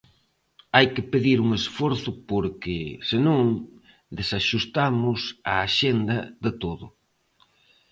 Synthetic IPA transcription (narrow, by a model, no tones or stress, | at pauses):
ajkɪpeðiɾuŋesfɔɾθʊpoɾkɪsɪnõŋ | d̪esaʃust̪amʊsaːʃend̪ɐðɪt̪oðʊ